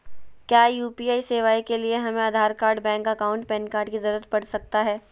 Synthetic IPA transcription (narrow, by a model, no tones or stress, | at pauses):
kjaːjuːpiːaːiseːʋaːikelieɦɐmẽad̪ʱaːɾkaːɾɖbɛ̃ːŋkɐkaʊ̃ɳʈ̚pɛ̃nkaːɾɖkizɐɾuːɾət̪̚pɐɽsɐk̚t̪aɦɛː